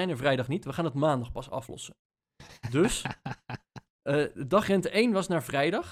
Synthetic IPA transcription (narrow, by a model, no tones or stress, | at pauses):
ɛjnəɹvrɛjdɑχnitʋəχaːnətmaːndɑχpɑsɑ̰flɔ̰sə | dɵs | əədɑχrɛntəejnʋɑsnaːɹvrɛjdɑχ